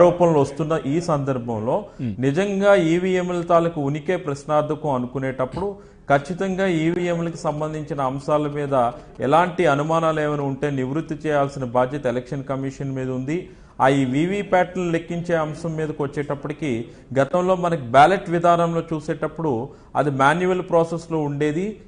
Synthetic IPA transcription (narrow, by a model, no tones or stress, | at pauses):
ɾɔːpɐnɐlʋost̪unːɐʔiːsɐnd̪ɐɾbʱɐmlo̞ːnid͡ʒɐŋɡaːiːʋiːemelt̪aːlɐkuunike̞ːpɾɐʃnaːɾd̪ʱɐkɐmɐnukuneːʈɐpːuɽu | kɐt͡ʃːit̪ɐŋɡaːiːʋiːemlɐkisɐmbɐnd̪ʱiɲt͡ʃinɐːmsaːlɐmiːd̪ɐ | ɛ̰laːɳʈiɐnumaːnaːleːmɐniuɳʈeːniʋɾut̪ːit͡ʃɛːjaːlsinɐbʱaːd͡ʒjɐt̪ɐelekʂɐnkɐmiːʂɐnmiːd̪ɐund̪i | aːjiːʋiːʋiːpaːʈɐɾule̞kːiɲt͡ʃe̞ːɐmsɐmːiːd̪ɐkʋɐt͡ʃːɛːʈɐpːɐʈikiː | ɡɐt̪ɐmlo̞ːmɐnɐkibaːleʈʋid̪ʱaːnɐmlo̞ːt͡ʃuːseːʈɐpːuɽu | ɐ̰d̪imaːnjuʋɐlpɾoːsesloːuɳɖe̞ːd̪i